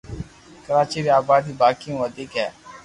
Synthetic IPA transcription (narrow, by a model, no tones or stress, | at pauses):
kəɾaːt͡ʃiːɾɪaːbaːd̪ʱiːbaːkijũːʋəd̪ʱiːkɦɛː